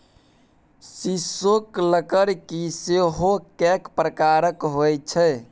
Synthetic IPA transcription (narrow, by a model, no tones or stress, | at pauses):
sisokləkəɾkiseɦokɛkpɾəkaɾəkɦojt͡ʃʰɛ